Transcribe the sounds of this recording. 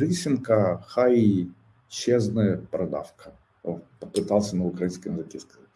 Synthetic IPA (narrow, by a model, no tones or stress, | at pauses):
ɾʲisʲɪnkəxai | ɕeznəjəpɾɐd̪a̰fkʰə | pəpɨt̪alˠsʲənəʊkɾɐinskəjənzɐkʲiskɐza